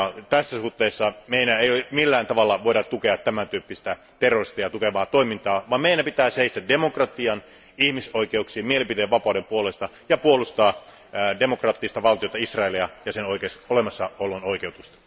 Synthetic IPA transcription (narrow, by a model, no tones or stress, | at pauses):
t̪æsːæsuht̪ːeːsːɑmeinæejolemilːæːnt̪ɑʋɑlːɑʋoiɾɑt̪ukeɑt̪ːæmænt̪yːpːist̪æ | t̪erorist̪ɑjɑt̪ukeʋɑːt̪oimint̪ɑːʋɑːmmeinæmpit̪æːseist̪ædemokrɑt̪iɑn | ihmisoikeuksiːmmielimpit̪eːʋɑpɑˑudempuolest̪ɑ | jɑpuolust̪ɑː | demokrɑːt̪ːist̪ɑʋɑlt̪ijot̪ɑisrɑeliɑjɑsenoikesolemɑsːɑolonoikeut̪ust̪ɑ̥